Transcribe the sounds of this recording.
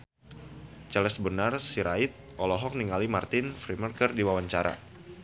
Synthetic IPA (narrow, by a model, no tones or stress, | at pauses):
t͡ʃəlɛsbənarsiɾaɪt̪̚ʔɔlɔɦɔk̚niŋalimart̪ɪnfɾimərkərdiwawaɲt͡ʃaɾa̰